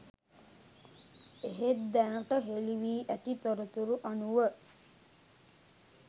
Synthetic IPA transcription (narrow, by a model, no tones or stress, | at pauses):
eɦet̪d̪ænəʈəɦeliʋiːʔæt̪it̪oɾət̪uɾuʔanuʋə